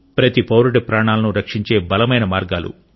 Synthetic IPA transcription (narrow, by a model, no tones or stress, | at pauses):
pɾɐt̪ipɐwɾuɽɐpɾaːɳaːlɐnuɾɐkʂiɲt͡ʃe̞ːbɐlɐmɐjnɐmaːɾɡaːlṵ